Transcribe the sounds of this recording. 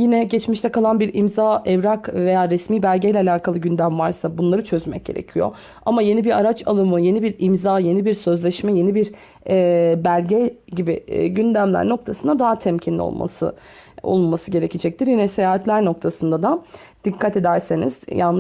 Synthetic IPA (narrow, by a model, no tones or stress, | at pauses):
jinɛɟɛt͡ʃmiʃt̪ʰɛkʰalˠanbiɾimzaɛvɾakve̞jaːɾɛsmiːbælʲɟejlʲɛalʲaːkʰalˠɯɟynd̪æmvaɾsabunlˠaɾɯt͡ʃʰø̞zmɛc̚ɟ̥e̞ɾḛcʰijo̞̰ | amaje̞nibiɾaɾat͡ʃʰalˠɯmɯje̞nibiɾimzaːje̞nibiɾsø̞zlʲɛʃmɛje̞nibiɾ | ɛːbælʲɟɛɟibiɟynd̪æmlʲæ̰ɾno̞k̚t̪ʰasɯnd̪ad̪aɦat̪ʰɛmcʰinlʲḭo̰lˠmʔa̰sɯ̰ | o̰lˠulmasɯɟe̞ɾecʰed͡ʒɛc̚t̪iɾjinɛsejaːɦɛt̪lʲæɾno̞kt̪ʰasɯnd̪ad̪a | d̪̥ikʰːat̪e̞d̪æɾsenḭz̥janˠ